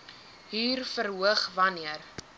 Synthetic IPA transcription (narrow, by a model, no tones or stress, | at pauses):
ɦiːrfəɾɦuəχvɐniər